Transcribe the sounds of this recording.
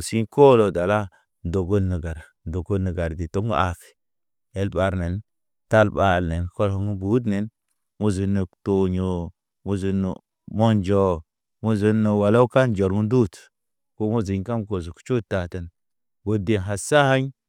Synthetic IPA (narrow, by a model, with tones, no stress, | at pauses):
si˦nko˦lo˨da˨la˦ | n˨do˨ɡo˦nə˨ɡa˨ɾa˨do˨ko˦nə˨ɡa˨ɾdi˨to˦ŋɡa̰˨fi̥˨ | e˦lɓa˨ɾne˨n | ta˦˨lɓa˦˨lne˨nko˦lho˦ŋ˦bu˦d̬ne˨n | mu˦zi˨nːo˨to˨ɲo˨ | mu˦zu˨n̰˨ | mo˦nd͡ʒo˨ | mu˦zi˨no˨wa˨la˦ka˦nd͡ʒo˨ɾŋu˦ndu˦˨t | ko˦mu˦zi˨ɲka˦mko˨zu˨kt͡ʃu˦tːa˨tə˨n | ɡo˨de˨nɦa˨sa˦ha˦ɲ